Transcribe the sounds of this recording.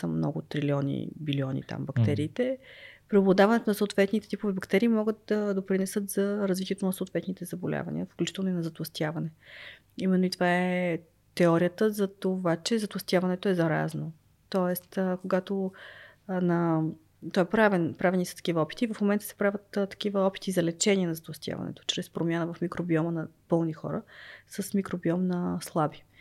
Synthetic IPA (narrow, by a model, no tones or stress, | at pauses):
səmnɔ̰ɡʊt̪ɾiliɔnḭbiliɔnḭt̪a̰mbɐkt̪ɛɾiːt̪ɛpɾɛoblˠɐd̪avɐnɛt̪onɐsoːt̪vɛt̪nit̪ɛt̪ipovɛbɐkt̪ɛɾiːmɔɡɤt̪̚d̪ɐd̪opɾinɛsɤt̪zɐɾɐzvit̪iɛt̪onɐsoːt̪vɛt̪nit̪ɛzɐbolʲa̰vɐ̰nḭəfklʲut͡ʃit̪ɛlˠnoinɐzɐt̪lˠɐst̪javɐnɛ | imɛnːoit̪ovaɛ | t̪ɛɔɾijət̪əzɐt̪ovat͡ʃɛzɐt̪lˠɐst̪ʲjavɐnɛt̪oɛzɐɾa̰zno | t̪ɔɛst̪koɡat̪o | nɐ | t̪ɔɛpɾavɛnpɾavɛnisɐ̥t̪ɐ̥kivəɔpi̥t̪iːvɐfmomɛnt̪ə̥sɛ̥pɾavʲət̪t̪ːɐ̥k̟ivəɔpi̥t̪izɐlɛt͡ʃɛnʲiɛnɐzɐt̪vˠɐst̪ja̰vɐ̰nɛ̰t̪o̥t͡ʃɾɛspɾomʲjanəvɐfmikɾobiɔmənɐpɤlˠnixɔ̰ɾəsəsmikɾobiɔmnɐslˠabi